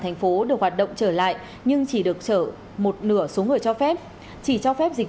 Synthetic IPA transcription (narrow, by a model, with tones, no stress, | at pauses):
t̪ʰɛ˨˩ŋ̟fo˨˦ɗɨ˨˩ək̚hwaː˨˩t̚ɗə̰˧˨wŋ͡mt͡ɕəː˧˩la̰ː˧˨jʔ | ɲɨ˧ŋt͡ɕi˧˩ɗɨ˨˩ək̚t͡ɕəː˧˩ | mo˨˩t̚nɨ˧˩əso˨˦ŋɨ˨˩əjt͡ɕɔ˧fɛ˦˥p̚ | t͡ɕi˧˩t͡ɕɔ˧fɛ˦˥p̚zï˨˩